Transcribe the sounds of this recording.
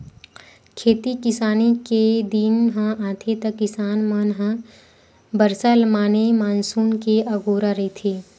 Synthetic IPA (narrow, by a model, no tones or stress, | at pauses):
kʰeːt̪ikɪsaːniked̪iːnɦə̃ʔaːt̪ʰet̪ɐkːɪsaːnmanɦã | bəɾsəlmaːnemaːnsuːnkeʔɐɡoːɾaɾɐɦit̪ʰeː